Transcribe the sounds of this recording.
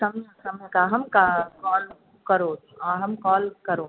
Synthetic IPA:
sɐmjəsɐmjəkaɦɐmkakɔːl | kɐɾoː | ɔːɾɦɐmkɔːlkɐɾoː

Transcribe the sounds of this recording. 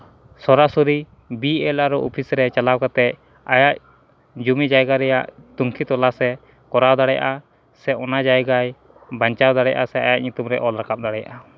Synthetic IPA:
sɔɾasuɾi | biɛlaɾɔʔɔpʰisɾɛt͡ʃalawkat̪ɛc̚ | ajac̚ | d͡ʒumid͡ʒajɡaɾɛjaʔt̪uŋkʰit̪ɔlasɛ | kɔɾawd̪aɽɛja̰ʔa | sɛɔnad͡ʒajɡaj | baɲt͡ʃawd̪aɽɛjaʔasɛajac̚ɲut̪umɾɛʔɔlɾakap̚d̪aɽɛja̰ʔa

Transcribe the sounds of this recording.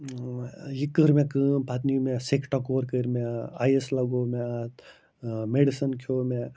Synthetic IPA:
jikəɾmẽkɨpat̪nimẽsikʰʈakoːɾkəɾmẽa̰ːjeslɐɡoːmɛ̃at̪ | meɖisənkʰoːmẽ

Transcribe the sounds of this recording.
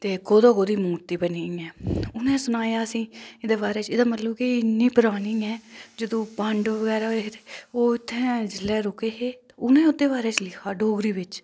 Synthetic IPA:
t̪eːkoːd̪oːkoːd̪iːmuːɾt̪iːbəniːɛːʊnẽːsʊnaːjaːəsĩːɪd̪eːbaːɾeːt͡ʃɪd̪ãːmət̪ləːbkiɪnːiːpʊɾaːniːɛːd͡ʒəd̪õːpəɳɖʋəʋəɡɛːɾaːet̪eoːɪt̪ʰːɛ̃ːd͡ʒɪlɛːɾoːkeːɦeːt̪ːʊnẽːʊd̪eːbaːɾeːt͡ʃlɪkʰaːɖoːɡɾiːbɪt͡ʃ

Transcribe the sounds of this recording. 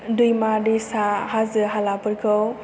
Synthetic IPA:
dujmadisaɦazɯɦalapɯɾɡɯw

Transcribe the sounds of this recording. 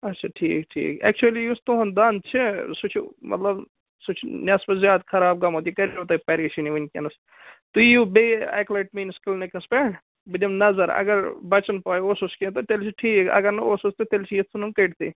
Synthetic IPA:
ɐtːʃʰaʈʰḭːkʈʰḭːkɛ̰k̚t͡ʃuɐlijust̪oɦɐnd̪ant͡ʃʰisut͡ʃʰimɐ̰t̪lɐb | sut͡ʃʰnʲɐspɐzjaːd̪kʰɐɾaːb̚ɡɐmoːt̪ikɐɾoːt̪ɐpɐɾiːʃiniʋɐnkʲɐ̰nɐs | t̪ujubea̰ːklɐʈ̚miːnskəlnekɐspeːɖ | bɨd̪imnɐzɐɾɐ̰ɡɐɾbɐt͡ʃɐnpaːjososkit̪ɐt̪elt͡ʃʰiʈʰiːkɐ̰ɡɐɾnɐoːsost̪it̪elt͡ʃʰijit̪sʰunɐnkɐʈt̪ḭ

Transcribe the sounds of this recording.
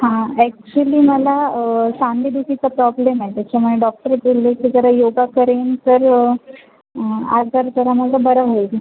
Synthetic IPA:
hãɛk̚t͡ɕuəliːməlasãnd̪ʱid̪ukit͡sapɾɔblemajt̪at͡ɕʰamuɭeɖɔk̚ʈəɾbolːekid͡zəɾajoɡakəɾent̪əɾ | a̰d͡zəɾd͡zəɾaməɡabəɾaʋɦoil

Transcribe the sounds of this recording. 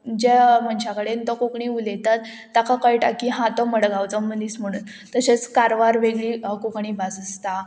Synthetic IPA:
d͡ʑem̤əɳt͡ɕakəɽent̪ɔkokɳiulet̪at̪ː | akakəjʈakiɦãt̪ɔməɽɡawt͡sɔməniːt͡sm̤əɽ̃un | t̪əɕet͡skaɾʋaɾʋeɡɭiːkokɳ̃iːbasəst̪a

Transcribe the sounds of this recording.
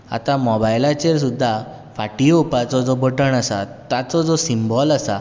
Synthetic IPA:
a̰t̪ãmɔbajlat͡ɕeɾsud̪ʱːa | faʈiopat͡sɔd͡zɔbəʈəɳəsat̪at͡sɔd͡zɔsimbɔlasa

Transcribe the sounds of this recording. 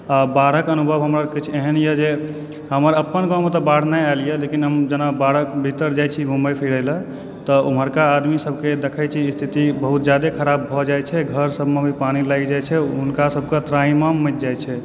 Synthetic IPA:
abaɽ̤əkənubʱəbɦəmɾakit͡ʃʰieɦənjed͡ʒe | ɦəməɾəpːənɡɔmet̪əbaɽ̤najalijelekinɦəmd͡ʒənabaɽ̤əkbʱit̪əɾd͡ʒajt͡ʃʰibʱumbəjpʰiɾələ | t̪ɔuməɾkaːd̪misəb̚ʱked̪ekʰəjt͡ʃʰist̪ʰit̪ibəɦut̪̚d͡ʒjad̪ekʰəɾabːʱɔd͡ʒajt͡ʃʰɛɡʱəɾsəbʱmebʱipanilaɡd͡ʒajt͡ʃʰɛɦunkasəb̚ʱkət̪ɾaimamːət̪̚d͡ʒajt͡ʃʰɛ

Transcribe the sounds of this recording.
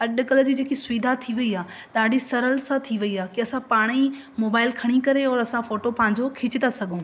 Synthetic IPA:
ɐɗkɐl̆d͡ʑiːd͡ʑeːkisʊʋiːd̪ʱat̪ʰiʋɐiaː | ɗaːɖʱisɐɾəlsãt̪ʰiʋɐiaːkiɐsãpaːɽ̃i | moːbaːɪlkʰɐɽ̃ikɐɾeɔːɾɐsãfoːʈopãːɪ̃ɲ̆d͡ʑokʰɪt͡ɕɪt̪asɐɠʱõː

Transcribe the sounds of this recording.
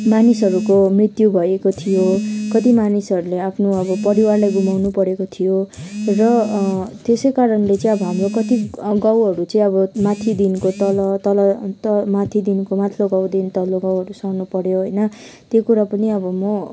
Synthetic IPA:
manisɦʌɾukomrit̪jubʱʌekot̪ʰijokʌt̪imanisʌɾuleapʰnoʌbʌpʌɾiwarlajɡumawnupʌɾekot̪ʰijorʌt̪esʌjkaɾʌnlet͡sʌĩʌbʌɦamrokʌt̪iɡawɦʌɾut͡sʌĩʌbʌmat̪ʰid̪inkot̪ʌlʌt̪ʌlʌt̪ʌmat̪ʰid̪inkomat̪ʰloɡawd̪int̪ʌloɡawɦʌɾusʌwnupʌɾjoɦʌjnʌ | t̪jokuɾapʌniʌbʌmʌ

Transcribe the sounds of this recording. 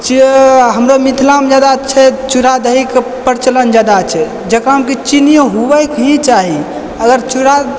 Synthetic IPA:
t͡ʃiɦəmɾomit̪ʰlamd͡ʒad̪at͡ʃʰɛt͡ʃuɾad̪əɦikepəɾt͡ʃələnd͡ʒad̪at͡ʃʰɛ | d͡ʒekɾaɦəmket͡ʃinijəɦubɛkɦĩt͡ʃaɦi | əɡəɾt͡ʃuɾa

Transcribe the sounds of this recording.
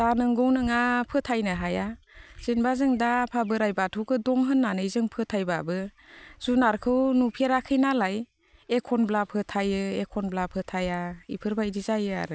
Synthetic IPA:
danɯŋɡɔwnɯŋapʰɯtʰajnɯɦaja | z̥inbazɯŋdapʰabɯɾajbatʰɯwkʰɯdɔŋɦɯnːanɯzɯŋpʰɯtʰajbabɯz̥unaɾkʰɯwnupʰeɾakʰɯjnalaj | ekʰɔnblapʰɯtʰajɯekʰɔnblapʰɯtʰajaḭpʰɯɾbadizajɯa̰ɾɯ

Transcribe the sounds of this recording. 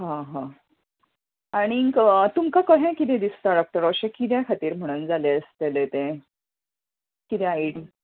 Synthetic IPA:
ɦãɦã | aɽ̃ikt̪umkakəɦẽkit̪ɛ̃d̪ist̪aɾak̚ʈ̪əɾəɕẽkit̪̬ɛ̃kʰat̪iːɾm̤əɽ̃uːnd͡zaleəst̪elet̪ẽ | kit̪ɛ̃aiɽi

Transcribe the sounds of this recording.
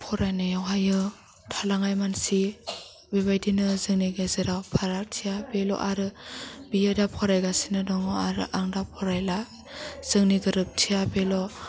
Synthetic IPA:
pʰɔɾajnajawɦajɯ | tʰalaŋajmansi | beβajdinɯzɯŋniɡezɯɾawpʰaɾaɾtʰijabelɔ̰ʔaɾɯbijadapʰɔɾajɡasinɯdɔŋɔaɾɯ̰ʔaŋdapʰɔɾajla | z̥ɯŋniɡɯɾɯp̚tʰijabelɔ

